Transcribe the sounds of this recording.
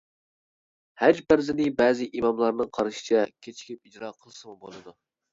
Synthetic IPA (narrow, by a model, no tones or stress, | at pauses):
hæd͡ʒbæɾzɪnɪbɛːzɪʔimɑmlˠɑɾnɨŋqʰɑɾʃi̥t͡ʃʰɛkʲʰet͡ʃʰi̥kʲip̚id͡ʒɾɑːqʰəlˠsɨmubolˠɨd̪u